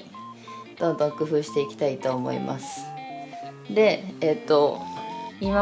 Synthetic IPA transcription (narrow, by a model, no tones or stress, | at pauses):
d̪̥õnd̪õ̞ŋkɯ̟ɸɯ̟ːɕi̥t̪e̞ikʲi̥t̪ait̪o̞ːmo̞̰ḭmʔa̰sɨ̥ | d̪e̞ːt̪ːo̞ | ima